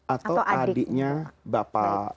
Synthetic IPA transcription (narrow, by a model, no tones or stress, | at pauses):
ʔat̪awadɪʔɲabapa